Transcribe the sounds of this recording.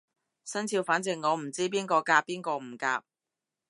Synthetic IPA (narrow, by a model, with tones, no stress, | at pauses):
sɐ˥nt͡sʰiː˧wfaː˨˥nt͡sɪ˨ŋːɔː˨˧m̩˨˩t͡siː˥p̬iː˥nkɔː˧kaː˧pːiː˥nkɔː˧m̩˨˩ka̰ː˧p̚